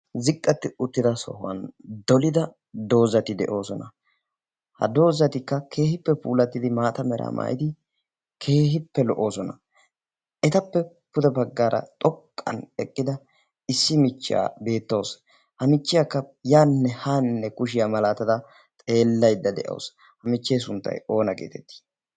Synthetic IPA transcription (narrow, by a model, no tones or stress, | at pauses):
zɪkʼːɐt̪ːɪʊt̪ːɪd̪ɐsɔ̰hʊɐ̰nd̪ɔlɪd̪ɐ | d̪o̞ːzɐt̪ɪd̪ɛʔo̞ːsɔnɐ | hɐ̰d̪o̞ːzːɐt̪ɪkːɐkʰe̞ːhɪpːɛpuːlɐt̪ːɪd̪ɪmaːt̪ɐmɛɾʔa̰mʔa̰ːjɪd̪ɪ | kʰe̞ːɦɪpːɛlɔʔo̞ːsɔnɐ | ʔɛt̪ɐpːɛ | pʊd̪ɛbɐɡːaːɾʔɐ̰t̪ʼɔkʼːɐ̰nɛkʼːɪd̪ɐ | ɪsːɪmɪt͡ʃːa̰ːbe̞ːt̪ːoːs | hɐmɪt͡ʃːɪjakːɐjaːnːɛhaːnːɛkʊʃ̬ɪjamɐlaːt̪ɐd̪ɐ | t̪ʼe̞ːlːɐjd̪ːɐd̪ɛʔo̰ːs | hɐmɪt͡ʃːeːsʊnt̪ːɐ̰jo̞ːnɐkʼḛːt̪ɛt̪ːi̥ː